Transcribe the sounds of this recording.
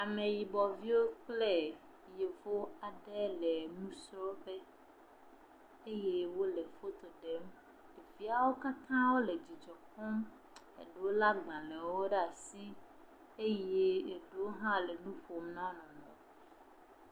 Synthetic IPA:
a˨mẽ˨ji˨bɔ˨vi˦wo˦k͡ple˦ | je˨vo˦a˨ɖɛ˦le˨nũ˦sɾɔ˦be˦ | e˦je˦wo˦le˨fo˦t̪o˨ɖe˨˦m | e˨vi˦a˨wo˦ka˦t̪ã˦wo˦le˨d͡ʑi˨d͡ʒɔ˨kɔ̃˦m | ḛ˨ɖo˨wla˦ɡ͡bã˨lɛ̃˨wo˦ɖa˨si˦ | e˦je˦e˨ɖo˨˦ɦã˦le˨nũ˦ɸo˨m˦nã˦nɔ̃˨nɔ̰̃˨

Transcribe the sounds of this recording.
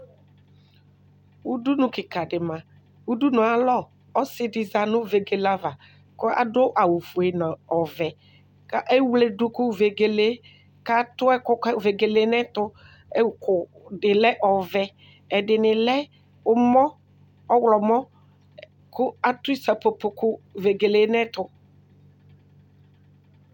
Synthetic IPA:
u˦du˦nʊ̃˨kɪ˨ka˨dɪ˨mã˨ | wu˦du˦nʊ˨a˨lɔ˦ | ɔ˦sɪ˦dɪ˨za˨nʊ̃˦ve˨ɡe˨la˦va˨ | kʊ˦a̰˨dʊ˦ʔa˨wu˨fu˨e˨na˨ɔ˨vɛ˨ | ka˦ʔe˦wle˨dʊ˦kʊ˦ve˨ɡe˨le˦ | ka˦t̪ʊ˦ɛ˦kʊ˦kve˨ɡe˨le˦nɛ˦t̪ʊ˦ | ɛ˦˨˦kʊ˨dɪ˨lɛ˦ʔɔ˨vɛ˦ | ɛ˨dɪ˨nɪ˨lɛ˦ | ʊ˦mɔ˦ | ɔ˦wlɔ˨mɔ˦ | kʊ˦a˦t̪ʊ˦i˦sa˨po˨po˨kʊ˦ve˨ɡe˨le˨˦nɛ˦t̪ʊ˦

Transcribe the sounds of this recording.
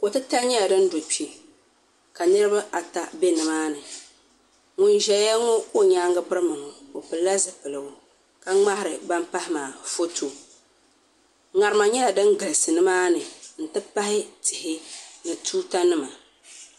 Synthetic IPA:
ko˨tɨ˦ta˦lɲɛ˦la˨dɨ˦n˦do˨pi˨ | ka˨nɨ˦ɾɨ˦ba˦ʔa˨ta˦be˦nɨ˨maː˦nɨ˨ | ŋʊ˨nʒɛ˨˦a˦ŋʊ˦o˦ɲaː˦ŋɡɨ˦bɨ˦ɾɨ˦mɨ˨ŋʊ˨o˨pɨ˨la˦zɨ˨pɨ˨lɨ˨bʊ˨ | ka˨ŋ͡ma˦hɪ˨ɾɨ˨ba˦mpa˦hɪ˦maː˨fo˦to˨ | ŋa˨ɾɨ˨˦ma˨ɲɛ˦a˨dɨ˦ŋɡɨ˨lɨ˨sɨ˨nɨ˦maː˦nɨ˨n̩˨tɨ˦pa˦hɪ˦tɪ˨hɪ˦nɨ˨tʰuː˦ta˦nɨ˦ma˨

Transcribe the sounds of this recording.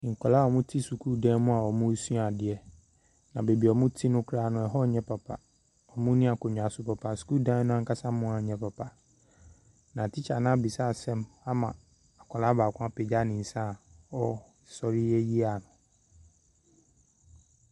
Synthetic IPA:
ŋ̩˨kʰɔ˨la˦ɔ˨mʊ̃˦tʰi˦su˨kʰu˦˨dã˦mʊ̃˦a˨ɔ˨mʊ̃˦su˦˨a˨dɪ˨ɛ˦ | nã˨be˨bi˨ɔ˨mʊ̃˦tʰi˦nʊ̃˦kʰɾa˦˨nʊ̃˨ɛ˨ɦɔ˦˨ɲɛ̃˦pʰa˨pʰa̰˨ | ɔ˨mʊ̃˦nĩ˦a˨kɔ˨ɲᶣ˨a˨sʊ˨pɔ˨pʰa˨skuː˦dã˦nʊ̃˦ã˦ŋka˦sa˦mʊ̃˦a˨ɲɛ̃˦pʰa˨pʰa˨ | nã˨tʰɪ˦t͡ɕʰa˨nã˦bi˨sa˦˨sɛ̃˦m | a˦mã˨ | a˨kʰɔ˨la˦baː˨kʷʰã˦pʰɛ˨d͡ʑa˦nɪ̃˨n̩˨sã˦˨ɔ˦˨ | sɔ˨ɾɪ˦jɛ˦ji˦a˨nʊ̃˨

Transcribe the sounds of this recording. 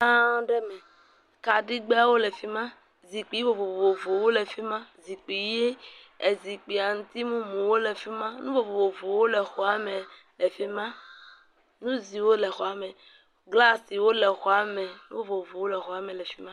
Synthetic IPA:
ã˦ɖe˦mɛ̃˨ | ka˨ɖi˦ɡ͡be˦a˦wo˦le˨fi˦mã˦ | zi˨k͡pi˨˦vo˨vo˨vo˨vo˨vo˨wo˦le˨fi˦mã˦zi˨k͡pi˨je˦ | e˨zi˨k͡pi˨a˨ŋũ˦t̪i˦mũ˦mũ˨wo˦le˨fi˦mã˦nũ˦vo˨vo˨vo˨vo˨wo˦le˨xɔ˨a˦mẽ˨ | le˨fi˦mã˦ | nũ˦zi˨wo˦le˨xɔ˨a˨mẽ˨ | ɡla˦si˨wo˦le˨xɔ˨a˨mɛ˨nṵ̃˦vo˦vo˨vo˨wo˦le˨xɔ˨a˨mɛ̃˨lɛ˨fi˦mã˦

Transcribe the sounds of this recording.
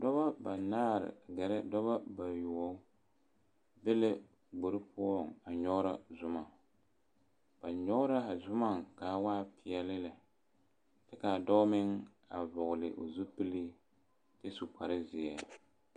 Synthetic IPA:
dɔ˦ba˦ba˨naː˦ɾɪ̰˨ɡɛ˨ɾɛ˦dɔ˦ba˦ba˨jʊ˨ɔ˨˦ | bɛ˦lɛ˦ | ɡ͡bo˨ɾɨ˦pʊ˦ɔ˦ŋa˨ɲɔ˦ɾa˦zʊ˦ma˨ | b̥a˨ɲɔ˦ʊ˦ɾa˦a˨zʊ˦ma˦˨ŋka˨waː˦pʰɪ˨ɛ˨lɪ˦la˨ | tɪ˦ka˨dɔ˦mɪ˦ŋ | a˨vʊ˨ɣʊ˨lɪ˨ʔo̰˨zu˦pɨ˦li˦ | tɪ˦su˨k͡pa˨ɾɪ˦zɪ˨ja˦

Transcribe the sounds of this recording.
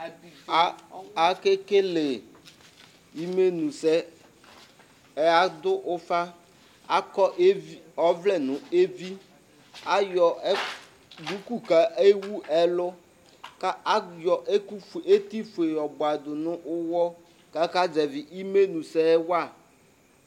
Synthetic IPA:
a˨ke˦ke˦le˨ | i˦me˦nũ˨sɛ˦ | ɛ˨a˦d̪ʊ˦ʔʊ˦fa˦ | a˦kɔ˦ʔe˦ɔ˦vlɛ˦nʊ̃˨e˦vi˦ | a˦jɔ˨˦ | du˨˦ku˦ka˨ʔe˦wu˦ʔɛ˦lʊ˦ | ka˦jɔ˨ʔe˦ke˦t̪i˦fu˨e˨jɔ˨bʊ˨a˨d̪ʊ˨nʊ̃˦ʔʊ˦wɔ˦ | ka˦ka˦d͡ʒɛ˨vɪ˨ʔi˦me˦nũ˨sɛ˦wa˦˨

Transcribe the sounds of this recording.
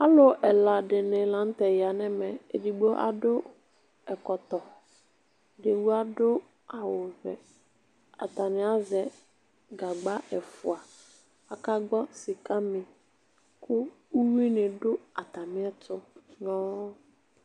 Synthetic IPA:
a˦lʊ˨ʔɛ˨la˨dɪ˨nɪ̃˨lã˨n̩˦tɛ˨ja˨nɛ˦mɛ˨ḛ˨di˨ɡ͡bo˦ʔa̰˨dʊ˦ | ɛ˨kɔ˨t̪ɔ˨ | dɪ˨wu˦a˦dʊ˦ | a˨wʊ˨vɛ̰˨ | a̰˨t̪a˨nɪ̃˨˦a˦zɛ˨ | ɡa˨ɡ͡ba˦ʔɛ˨fʊ˨a˨ | a˨ka˦ɡ͡bɔ˦sɪ˨ka˦mɪ̃˨ | kʰʊ˦ | u˦wi˦nɪ˨dʊ˦a˨ta˨mɪ̃˦ɛ˦tʰʊ˦nɔ̃ː˦

